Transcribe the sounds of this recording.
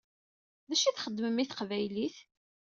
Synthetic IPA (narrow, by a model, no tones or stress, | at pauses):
ðæʃiθχəd̪ːməmiθəqvæjliθ